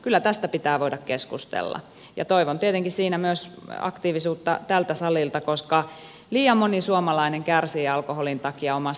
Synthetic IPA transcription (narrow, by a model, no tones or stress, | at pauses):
kylːæt̪æst̪æpit̪æːʋoidɑkkeskust̪ḛlːɑ̰ | jɑ̰t̪oiʋont̪iet̪eŋkissiːnæmyøsɑ̰kt̪iːʋisuːt̪ːɑ̰t̪ælt̪æsɑlilt̪ɑkoskɑ | liːɑmmonisuomɑlɑineŋkærsiːɑlkoholint̪ɑkiɑomɑs